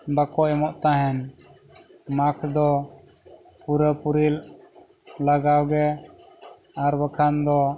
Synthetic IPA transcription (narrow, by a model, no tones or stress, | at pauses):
bakɔʔɛmɔʔt̪aɦɛn | makʰd̪ɔ | puɾəpuɾil | laɡawɡɛ | aɾbəkʰand̪ɔ